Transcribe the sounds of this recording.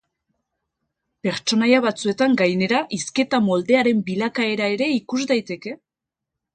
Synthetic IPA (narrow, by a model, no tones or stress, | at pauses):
pe̞ɾt͡ʃo̞najaβ̞at͡sue̞t̪aŋɡajne̞ɾaʔiske̞t̪amo̞ld̪e̞aɾe̞mbilakae̞ɾae̞ɾe̞ikuzd̪ajt̪e̞ke̞